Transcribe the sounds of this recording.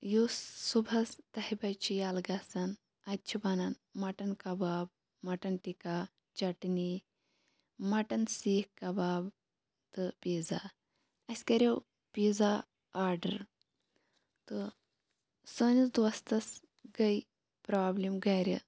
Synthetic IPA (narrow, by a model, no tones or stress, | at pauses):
jusːubʱɐst̪ɐhibɐjt͡ʃʰijaːlɡɐsɐn | ɐt̪̚t͡ʃʰibɐnɐn | mɐʈɐnkɐbaːb̚ | mɐʈɐnʈika | t͡ʃɐʈni | mɐʈɐnsiːhkɐbaːb | t̪ɨpiːza | ɐsʲkɐɾʲew | piːd͡za | aːɾɖɐɾ | t̪ɨ | səːnit͡sd̪ʋɐst̪ɐs | ɡɐj | pɾaːblimɡɐɾʲḭ